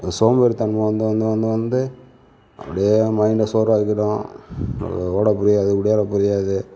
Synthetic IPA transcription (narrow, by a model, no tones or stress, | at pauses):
soːmbeːɾit̪ɐɳmɐʋɐnd̪ɯʋɐnd̪ɯʋɐnd̪ɯʋɐnd̪ɯ | ɐ̰pːɐɽɪjemɐɪɳɖɐsoːɾaːkːɪʈːõ̰ | oːɽɐpʊɾɪjaːɐðɯkʊɽɪjaːɾɐpʊɾɪjaːðɯ